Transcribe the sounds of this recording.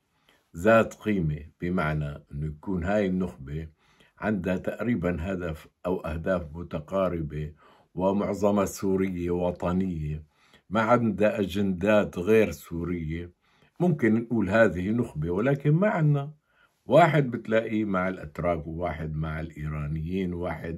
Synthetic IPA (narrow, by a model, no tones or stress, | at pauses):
zaːt̪qiːmeb̥ɪmaʕnaʔɪnːʊjakuːnɦaːjɪnːʊxbe | ʕɪ̰nd̪at̪aʔɾiːbanɦad̪afʔawʔahd̪aːfmʊt̪aqɑːɾɪbe | wɪmʊʕzˤɑmɑsuːɾɪjːewɑt̪ˤɑnɪjːe | maʕand̪aʔad͡ʒand̪aːt̪ɣeːɾsuːɾɪjːe | mʊmkɪnːʔuːlɦaːðɪhnʊxbewɪlaːkɪnmaʕanːa | waːħɪd̪̚bɪt̪laːʔimaʕɪlʔa̰t̪ɾˤɑːkwɪwaːħɪd̪maʕɪlʔiːɾɑːnɪjːiːnwaːħɪd̪